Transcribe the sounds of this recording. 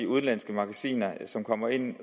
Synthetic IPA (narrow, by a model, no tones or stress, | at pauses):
iuð̞̩ˠlæn̰sɡ̥əmɑ̈ɡ̥æsḭːnɐsɒ̽mkʰɒ̽m̰ɐe̝n̰